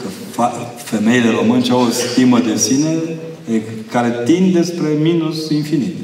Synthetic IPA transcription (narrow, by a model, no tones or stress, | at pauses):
kə | fa | fe̞me̞jile̞ɾo̞mɨnʃawost̪ʲiməd̪esine | ekaɾet̪ind̪d̪e̞spɾe̞minusinfinit̪